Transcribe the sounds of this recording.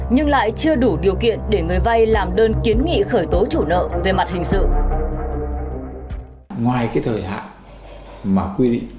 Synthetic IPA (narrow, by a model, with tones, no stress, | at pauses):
ɲɨ˧ŋla̰ː˧˨jt͡ɕɨ˧əɗu˧˩ɗi˨˩əwkḭ˧˨ənɗe˧˩ŋɨ˨˩əjva˧jlaː˨˩mɗəː˧nki˨˦ənŋḭ˧˨xəː˧˩jt̪o˨˦t͡ɕu˧˩nə̰ː˧˨ve˨˩ma˨˩t̚hï˨˩ŋ̟sɨ̰˧˨ | ŋwaː˨˩jkaː˨˦jt̪ʰəː˨˩jha̰ː˧˨ | maː˨˩kwi˧ɗḭ˧˨ŋ